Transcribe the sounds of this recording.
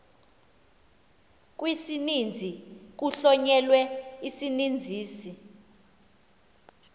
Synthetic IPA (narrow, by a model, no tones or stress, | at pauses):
k̬ʼwisinind͡zʱik̬uɬɔɲɛlwɛisinind͡zʱiːsi